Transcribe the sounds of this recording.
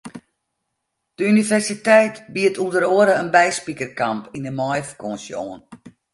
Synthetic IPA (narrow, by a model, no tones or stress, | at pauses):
d̥əynivɛrsitɛjtbiətulˠdəɾoəɾəənbɛjspikərkampindəmɔjfkɔnsjo̰ːn